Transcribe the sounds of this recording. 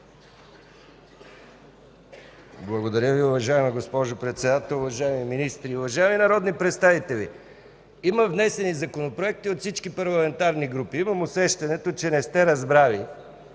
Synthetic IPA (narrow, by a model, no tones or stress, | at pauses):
blˠɐɡod̪ɐɾʲjəviʊvɐʒaɛmiɡospɔʒopɾɛt̪sɛd̪at̪ɛlˠʊvɐʒaɛmiminist̪ɾiʊvɐʒaɛminɐɾɔd̪nipɾɛt̪st̪avit̪ɛlḭ | iməvnɛsɛnizɐkonopɾoɛk̚t̪iot̪fsit͡ʃkipɐɾlˠɐmɛnt̪aɾniɡɾupiimɐmosɛʃt̪ɐnɛt̪ot͡ʃɛnɛst̪ɛɾɐzbɾavi